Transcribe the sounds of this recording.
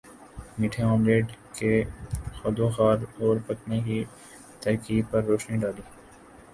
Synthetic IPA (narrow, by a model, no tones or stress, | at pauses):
miʈʰeõːmɾeːɖkexɐd̪oxaːɾɔːɾpɐkneki | t̪ɐɾkiːd̪̚pɐɾːoːʃniɖaːliː